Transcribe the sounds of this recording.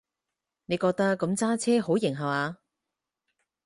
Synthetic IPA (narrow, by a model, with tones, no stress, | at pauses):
ne˨˧jkɔː˧k̚t̪ɐ˥kːɐ˨˥mt͡saː˥t͡sʰɛː˥ho˨˥wjɪ˨˩ŋɦɐ˨waː˨˧